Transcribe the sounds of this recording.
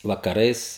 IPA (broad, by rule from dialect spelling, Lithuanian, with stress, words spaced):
ʋɐkɐˈrɐɪs